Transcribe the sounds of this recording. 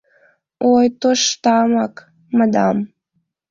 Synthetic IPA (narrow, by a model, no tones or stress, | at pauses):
ojt̪oʃt̪ɑmɑk | mɑd̪ɑ̰m